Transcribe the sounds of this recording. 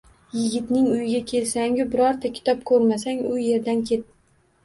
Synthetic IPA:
jɪɡʲɪt̪nɪŋʊjɪɡʲakʲʰe̞lsaŋjʊbɪɾɒɾt̪ʰakʲʰɪ̥t̪ʰɒp̚kʰɵɾmasaŋʊje̞ɾd̪ankʲʰe̞t̪̚ː

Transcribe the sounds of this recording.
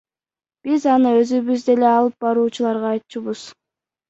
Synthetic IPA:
b̥izɑnɯø̞zyβyzd̪e̞le̞ɑlˠɯp̚bɑɾuːt͡ʃulˠɑɾʁɑːjt̪t͡ʃuβuz̥

